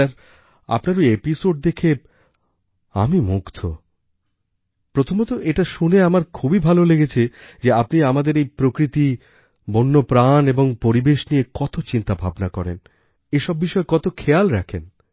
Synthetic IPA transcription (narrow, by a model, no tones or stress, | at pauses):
aɾ | a̰pnaɾoepisoɖ̚d̪ekʰe | a̰mimukt̪ʰo | pɾot̪ʰomɔt̪oʔeʈaʃuneamaɾkʰubibʱaloleɡet͡ɕʰed͡ʑeapniamad̪eɾejpɾokɾit̪i | bonːopɾaneboŋpoɾibeʃniekɔt̪ot͡ɕint̪abʱabnakɔɾḛn | eʃɔbːiʃɔekɔt̪okʰejalɾɛkʰen